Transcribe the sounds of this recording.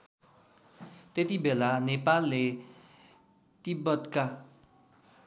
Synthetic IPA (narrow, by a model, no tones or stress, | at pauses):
t̪et̪ibʱelanepalːe | t̪ibʌd̪ka